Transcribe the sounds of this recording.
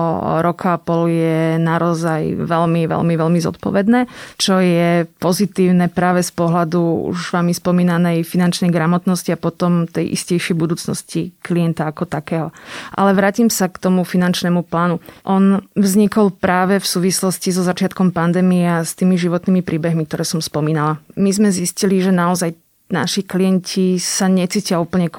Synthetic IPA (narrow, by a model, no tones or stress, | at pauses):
ɾɔkʰaapɔljɛnaɾɔzajʋɛlmiʋɛ̰lmiʋɛlmizɔ̰t̪̚pɔ̰ʋɛd̪nɛːt͡ʃɔjɛpɔzit̪iːʊnɛpɾaːʋɛspɔɦlad̪uṵʒʋaːmispɔmiːnanɛjfinant͡ʃnɛjɡɾamɔt̪nɔsciapɔt̪ɔmt̪ɛjʔḭscɛjʃɪɛjbud̪uːt͡snɔ̰scikliɛnt̪aakɔt̪akɛːɦɔʔa̰lɛʋɾaːcimsakt̪ɔmufinant͡ʃnɛːmuplaːnuʔɔnvzɲikɔlpɾaːʋɛfsuːʋislɔscizɔzat͡ʃɪat̪̚kɔmpand̪ɛːmiɛast̪iːmiʒiʋɔt̪niːmipɾiːbɛɦmik̚t̪ɔɾɛːsɔmspɔmiːnalamizmɛzisciliʒɛnaɔzaj | na̰ʃikliɛncʰisaɲɛt͡siːcɪauːpl̩ɲɛk